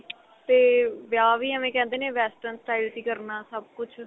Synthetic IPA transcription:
t̪eːʋjaːʋiːəmẽːkɛ̃ːnd̪eːnẽːʋɛːsʈənsʈaːilt̪iːkəɾnaːsəb̚kʊt͡ʃʰ

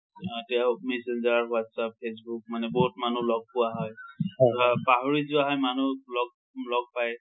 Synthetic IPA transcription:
tɛaʊmɛsend͡ʒaɹwatsap̚pʰesbuk̚manɛbɔɦutmanulɔɡ̚pʊaɦɔj | paɦoɹizʊaɦɔjmanulɔɡ̚ | lɔɡ̚paj

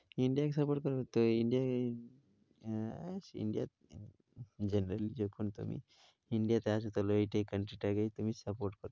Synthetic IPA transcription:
iɳɖijakesəpoɾʈ̚kəɾt̪oiɳɖija | asḭɳɖija | d͡ʑenɾəlid͡ʑokʰuːnt̪ṵmḭ | iɳɖijat̪asut̪aloiʈekəɳʈɾiʈaɡet̪umiːsəpoɾʈ̚kəɾ

